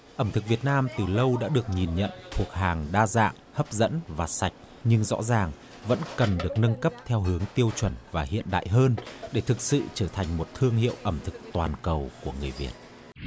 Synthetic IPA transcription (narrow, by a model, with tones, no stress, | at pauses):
ʔə˧˩mt̪ʰɨ˨˩k̚vi˨˩ət̚naː˧mt̪ɨ˨˩lə˧wɗa̰ː˧˥ɗɨ˨˩ək̚ɲi˨˩nɲə̰˧˨nt̪ʰu˨˩ək̚ɦaː˨˩ŋɗaː˧za̰ː˧˨ŋhəː˦˥p̚zə̰˧˥nvaː˨˩sa˨˩jk̟̚ | ɲɨ˧ŋzɔ̰˧˥zaː˨˩ŋ | və̰˧˥nkə˨˩nɗɨ˨˩ək̚nə˧nkə˦˥p̚t̪ʰɛ˧wɦɨ˨˦əŋt̪i˧əwt͡ɕwə˧˩nvaː˨˩hḭ˧˨ənɗa̰ː˧˨jɦəː˧nɗe˧˩t̪ʰɨ˨˩k̚sɨ̰˧˨t͡ɕəː˧˩t̪ʰa˨˩jŋ̟mo˨˩t̚t̪ʰɨ˧əŋɦḭ˧˨əwʔə˧˩mt̪ʰɨ˨˩k̚t̪waː˨˩nkə˨˩wku˧˩əŋɨ˨˩əjvi˨˩ət̚